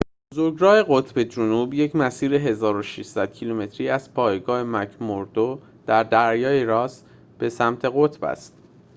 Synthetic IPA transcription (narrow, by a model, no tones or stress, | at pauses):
bozo̞ɾɡɾɒːhe̞ɣot̪ʰbe̞d͡ʒonuːbje̞cʰmæsiːɾeɦe̞zɒːɾo̞ʃiʃsæd̪̥̚cʰilume̞t̪ʰɾiːæz̥pʰɒːjɡɒːhemæcʰmoɾd̪̥o | d̪̥æɾd̪æɾjɒːjeɾɒːs | b̥e̞sæmt̪ʰe̞ɣot̪ʰbæ̰st̪